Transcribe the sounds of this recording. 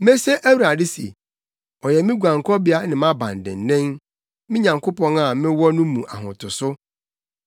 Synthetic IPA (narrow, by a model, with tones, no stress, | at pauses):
mɛ̃˦se˦ʔæ˦wa˨dɪ˦si˨ḛ˨ | ɔ˨jɛ˨mɪ̃˦ɡʷu˨ã˨ŋkʰɔ˦bɪ˦a˦nɪ̃˨mã˦bã̰˨n˨dɪ̰̃˨n˨nɪ̃˦n | mɪ̃˦ɲã˨ŋkʊ˦pɔ̃˦na˦˨mɪ̃˦wɔ˦nʊ̃˦mũ˨ʔa̰˨ɦʊ̰̃˨tʰʊ˨sʊ˦